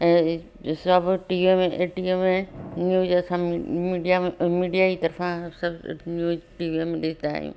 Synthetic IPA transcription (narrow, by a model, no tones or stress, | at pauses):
sɐbʈiːʋemeeʈiemẽnjuːzɐsãmmiɖijamiːɖijait̪ɐɾfʰãsɐbnjuːzʈiːʋiemẽɗɪsd̪aa̰ːjṵ̃